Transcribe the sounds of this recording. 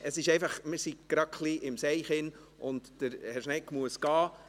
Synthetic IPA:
əsɪʃɛɪfɑχmɪɾsiɡ̥ɾɑχliʔɪmsɛɪχɪn | ʔʊntd̥əɾhɛɾʃnɛkmuəsɡ̥ɑː

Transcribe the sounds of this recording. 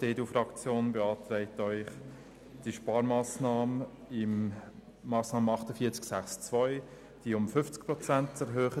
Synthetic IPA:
d̥eːdufɾɑkt͡sjoːnbɛɑːtɾɛɪtœʏχ | d̥iʃpɑːɾmɑːsnɑːmə | ɪmː | ɑːsnɑːməɑχtəfiːt͡sksæχst͡svɔʏ | d̥iʊmfʏft͡sk̚pɾɔt͡sæntɛɾɦøːχə

